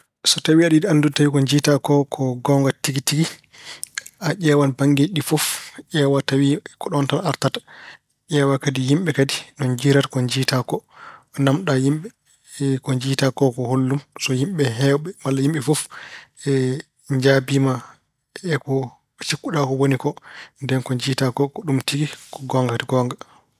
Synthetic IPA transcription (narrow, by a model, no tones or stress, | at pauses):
sɔtawiaɗidianduntawikɔɲd͡ʒiːtakɔkʰɔɡɔŋɡatiɡitiɡi | aʄʲɛːwanbaŋɡeɗifɔfʔɛwatawikɔɗɔntalaɾtatḁ | ʔʲɛːwakadihimɓɛkadinɔnd͡ʒiɾatkɔɲd͡ʒiːtakɔnamɗajimɓɛ | kɔɲd͡ʒiːtakɔkɔholːumsɔhimɓɛɦɛwɓɛmalːajimɓɛfofɛ | d͡ʒabiːma | ɛkɔ | t͡ʃikːuɗakɔwonikɔndɛnkɔɲd͡ʒiːtakɔkɔɗumtiɡikɔɡɔŋɡaktiɡɔŋɡa